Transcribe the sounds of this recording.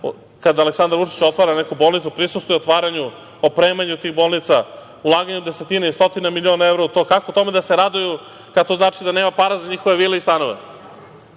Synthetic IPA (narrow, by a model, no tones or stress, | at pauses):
kad̪aːleksand̪aɾʋut͡ʂi̥t͡ɕo̞t̪ʋaɾanekubo̞ːlˠnit̪supɾisust̪ujeot̪ʋaːɾaɲu | opɾeːmaɲut̪iːɣbo̞lˠnit̪sa | ulˠaːɡaɲud̪e̞set̪inaist̪o̞t̪inamilio̞naevɾout̪o̞ːkakout̪o̞med̪ase̞ɾad̪uju | kat̪o̞ːznaːt͡ʃid̪ane̞ːmapaːɾazaɲixoʋe̞ʋiːleist̪ano̞ʋe